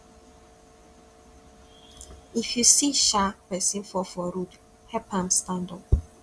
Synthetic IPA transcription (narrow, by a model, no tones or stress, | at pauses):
ifjusiʃapɛsĩnfɔfɔɾud | hɛpʰãmst̪ãndɔ̃